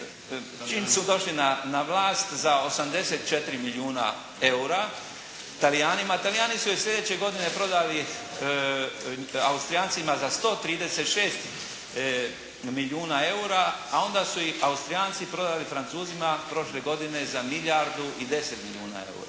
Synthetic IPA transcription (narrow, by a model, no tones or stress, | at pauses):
t͡ʃiːmsud̪o̞ʃlinanaʋlaːst̪zao̞samd̪e̞set̪t͡ʃe̞t̪ɾimiliuːna̰ | e̞uɾa | t̪alijaːnimat̪alijaːnisujesʎʲe̞d̪eːt͡ɕe̞ɡo̞d̪ine̞pɾo̞d̪ali | aust̪ɾijaːnt̪simazast̪o̞ːt̪ɾiːd̪e̞se̞t̪ʃeːst̪ | milʲjuːnae̞uɾaːo̞nd̪asuiaust̪ɾijaːnt̪sipɾo̞d̪alifɾant̪suːzimapɾo̞ʃle̞ɡo̞d̪ine̞zamiljaɾd̪uʔid̪e̞set̪milʲiuːna̰ḛṵɾa̰